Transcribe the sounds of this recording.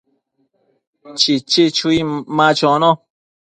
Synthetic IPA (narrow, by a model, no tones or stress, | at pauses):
t͡ʃit͡ʃet͡ʃuimãt͡ʃɔ̃nɔ̃